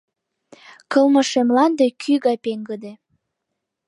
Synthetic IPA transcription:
kɤ̆lməʃemlɑnd̪ekʰyɣɑjpeŋɡəd̪e

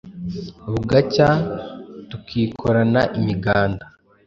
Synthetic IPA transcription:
βuɡaca | tukʰiːkʰoɾanaʔimiɡaːnda

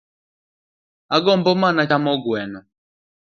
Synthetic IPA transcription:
aɡɔmbɔmanaamɔɡwɛnɔ

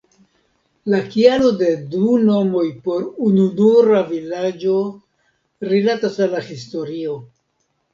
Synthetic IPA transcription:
lakialo̞de̞duno̞mo̞jpo̞ɾununuɾavilad͡ʒo̞ | ɾilatasalːahisto̞ɾio̞

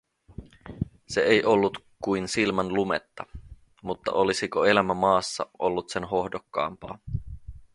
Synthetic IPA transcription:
se̞ejʔo̞lːut̪ | kujnsilmɑnlumḛt̪ːɑ | mut̪ːɑ̰ʔo̞lisiko̞e̞læmæmɑːsːɑ̰ʔo̞lːut̪se̞nɦo̞hdokːɑ̰ːmpɑ̰ː

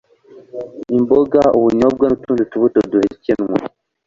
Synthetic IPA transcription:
imboɡauβuɲob̚ɡanutuːnzutuβutoduhecenŋa̰

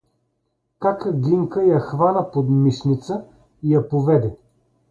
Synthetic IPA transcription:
kakəɡliŋkəjɐxvanəpod̪miʃnit̪sə | ijɐpovɛd̪ɛ

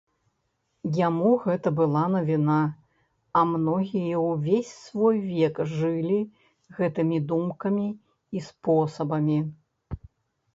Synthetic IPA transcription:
jamuɣɛt̪ɐbɨlˠanɐvʲina | ɐmnɔɣʲijɐwvʲesʲsvɔjvʲɛkʐɨlʲi | ɣɛt̪ɨmʲid̪umkɐmʲiː | spɔsɐbɐmʲi

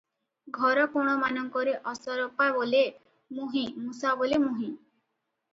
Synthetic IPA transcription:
ɡʱɔɾɔpuɾɽ̃ɔmanɔŋkɔɾeʔɔsɔɾɔpabole | muɦĩmusabolemũɦĩ

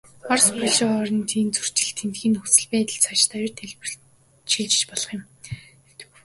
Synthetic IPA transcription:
ɔrspɵɮʃɔːɔɾɞ̆nt̪ʰiːnt͡sur̥t͡ɕɪ̆ɮt̪ʰent̪xiːnɵt͡sɘ̆ɮpæːt̪ə̆ɮt͡sʰat͡ɕt̪ʰajʊ̆rt̪ʰeɮp̆ | ʃiɮt͡ɕɪ̥̆t͡ɕpɔɮɞ̆χjɪ̆m | ewt̪ɘ̥̆k

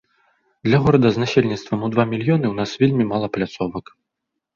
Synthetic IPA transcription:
d̪lʲɐɣɔɾɐd̪ɐznasʲelʲnʲit̪st̪vɐmud̪vamʲilʲjɔnɨwnasvʲelʲmʲimalˠɐplʲat̪sɔvɐk

